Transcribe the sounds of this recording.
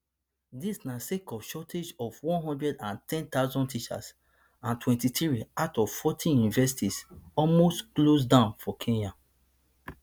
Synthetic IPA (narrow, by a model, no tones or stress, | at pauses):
disnasekɔvʃɔtʰed͡ʒɔvwɔ̃nɦɔ̃ndɹɛdãntʰɛ̃nt̪aʊzɔ̃ntit͡ʃa̰s | ãntʰwɛ̃ntitɹiaʊtɔv̥fɔtʰĩnĩnvɛsitisɔlmostklos̬dãʊ̃nfɔkʰẽnjã